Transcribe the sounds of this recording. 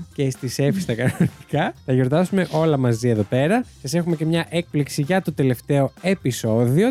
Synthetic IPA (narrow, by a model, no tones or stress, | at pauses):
cest̪ise̞fist̪ɐkɐnot̪i̥kɐt̪ɐʝo̞ɾt̪ɐsume̞ʔo̞lɐmɐzieðo̞pe̞ɾɐsɐse̞xume̞ce̞mɲɐʔe̞k̚pliksiʝɐt̪o̞t̪e̞le̞ft̪e̞o̞e̞piso̞ðio̞